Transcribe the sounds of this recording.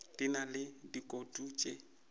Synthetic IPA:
dinalɪdikʼotʼut͡ʃʼe

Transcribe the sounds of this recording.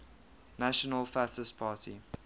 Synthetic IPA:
naʃənəlfasəspʰaːtʰḭ

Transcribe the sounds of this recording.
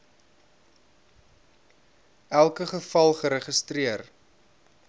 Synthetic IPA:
ælˠkəχəfɐlˠχəɾəχəstriər

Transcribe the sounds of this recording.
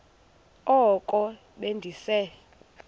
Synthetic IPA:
ɔkʼɔ | ɓendʱisɛ

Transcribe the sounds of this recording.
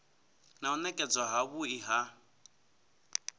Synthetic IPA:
naunɛkʼɛd͡zaɦaβuiɦa

